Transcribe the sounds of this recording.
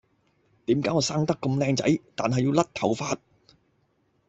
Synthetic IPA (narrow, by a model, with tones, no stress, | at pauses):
t̪iː˨˥mkaː˨˥jɔː˧saː˥ŋt̪ɐ˥kːʊ˧mlɛː˧ŋt͡sɐ˨˥jt̪aː˨nɦɐ˨jiː˧wlɐ˥t̚t̪ʰɐ˨˩wfaː˧t̚